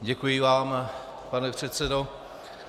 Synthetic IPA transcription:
ɟɛkujɪvaːm | panɛpr̝̥ɛt̪sɛdo

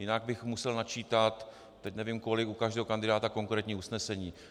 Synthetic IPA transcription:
jɪnaɡ̚bɪxmusɛlnat͡ʃiːt̪at̪ | t̪ːɛcnɛviːmko̞lɪkukaʒdɛːɦokandɪdaːt̪ako̞ŋkɾɛːt̪ɲiːusnɛsɛɲiː

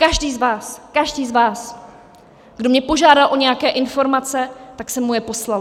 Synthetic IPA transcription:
kaʒdiːzvaːskaʒdiːzvaːs | ɡ̥do̞mɲɛpo̞ʒaːdalʔo̞ɲɛjakɛːʔɪnfo̞ɾmat͡sɛt̪aksɛmːujɛpo̞slal

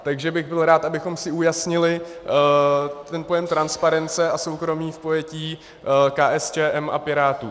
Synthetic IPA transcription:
t̪aɡʒɛbɪɣbɪlɾaːt̪ʔabɪxo̞msɪujasɲɪlɪ | t̪ɛnpo̞jɛmt̪ɾanspaɾɛnt͡sɛʔaso̞wkɾo̞miːfpo̞jɛciː | kaːʔɛst͡ʃɛːʔɛmʔa̰pɪɾaːt̪uː

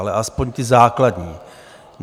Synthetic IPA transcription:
alɛʔaspo̞ɲt̪ɪzaːkladɲiː | n

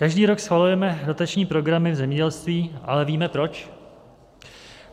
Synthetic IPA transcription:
kaʒdiːɾo̞ksxvalujɛmɛdo̞t̪at͡ʃɲiːpɾo̞ɡɾamɪvzɛmɲɛɟɛlst̪viːʔalɛviːmɛpɾo̞t͡ʃ

